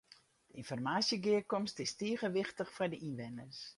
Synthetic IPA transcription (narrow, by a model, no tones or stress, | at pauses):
d̥əinfɔrmaːsjəɡɪəkɔmstɪstiəɣəʋɪxtəxfɛjdəʔinʋɪnərs